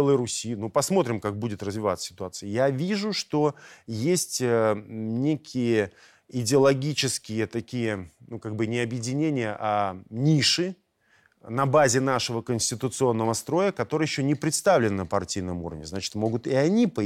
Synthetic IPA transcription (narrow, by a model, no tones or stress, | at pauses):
lˠəɾʊsʲinupɐsmo̞t̪ɾʲɪmkak̚budʲɪt̪rəzvʲɪvat̪sə̥sʲɪ̥t̪ʊat̪sɨjəjavʲiʐʊʂt̪o̞jesʲtʲənʲekʲɪjə | ɪdʲɪəlˠɐɡʲit͡ɕɪskʲɪjət̪ɐkʲijənukaɡ̚bɨnʲɪɐbjɪdʲɪnʲenʲɪjəʔanʲiʂɨ | nɐbazʲɪnaʂəvəkənʲsʲtʲɪt̪ʊt̪sɨo̞nːəvəst̪ɾo̞jəkɐt̪o̞ɾɨjɪɕːonʲɪpɾʲɪt̪st̪avlʲɪnnəpɐrtʲijnəmṵɾəvnʲɪzat͡ɕɪ̥t̪mo̞ɡʊt̪ɪɐnʲipə